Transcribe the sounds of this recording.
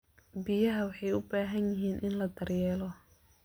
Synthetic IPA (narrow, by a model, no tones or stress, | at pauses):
bɪjɐɦɐwɑħɑjʊbaːɦɐnjɪɦiːnʔɪnlɐd̪ɐrjɛːlɔ